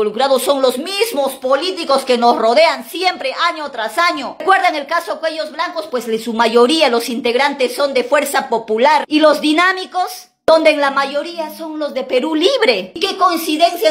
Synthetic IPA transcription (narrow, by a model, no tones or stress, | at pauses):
olukɾaðoso̞ŋlo̞zmizmospo̞lit̪iko̞ske̞no̞sro̞ðe̞ansje̞mpɾe̞ʔaɲot̪ɾasaɲo̞kwe̞ɾðaŋe̞lkaso̞kwe̞ʝo̞zβlaŋko̞spwe̞sesumaʝo̞ɾialo̞sint̪e̞ɣɾant̪esːo̞nd̪e̞fwe̞ɾsapo̞pulaɾilo̞zðinamiko̞s | dond̪enlamaʝo̞ɾiaso̞nlo̞zðe̞pe̞ɾuliβɾe̞ke̞ko̞insiðe̞nsja